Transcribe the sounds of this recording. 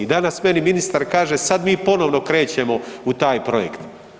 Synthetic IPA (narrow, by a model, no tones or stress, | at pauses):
id̪anasme̞niminist̪aɾkaːʒesad̪miːpo̞no̞ʋno̞kɾe̞ːt͡ɕe̞mo̞ut̪aːjpɾo̞jḛkt̪